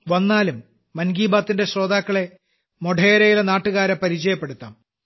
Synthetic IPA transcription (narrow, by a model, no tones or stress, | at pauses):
ʋɐnːaːlumː | ɐnɡiːbaːt̪ːinde̞sro̞ːd̪aːkːɐɭe̞ | moɖʱeːɾɐjilɐnaːʈːuɣaːɾɐpɐɾit͡ɕɐjɐpːe̞ɽut̪ːa̰ːm